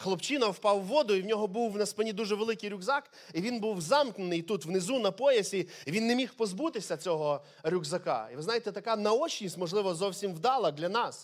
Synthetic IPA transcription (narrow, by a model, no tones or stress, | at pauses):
xlˠɔpt͡ʃinɐwpɑwːɔd̪ʊiwnʲɔɦɔbuwnɐspɪnʲid̪uʒɛʋelˠɪkɪjɾʲʊɡzɑk | iʋʲinbuwzɑmknʊnɪjt̪ut̪wnɪzunɐpɔjɐsʲiːʋʲinːemʲixpɔzbut̪ɪsʲɐt͡sʲɔɦɔ | ɾʲuɡzɐkɑ̰iʋɪznɑjet̪ɛt̪ɐkɑnɐɔt͡ʃnʲisʲtʲmɔʒlˠɪʋɔzɔwsʲimwd̪ɑlˠɐd̪lʲɐnɑs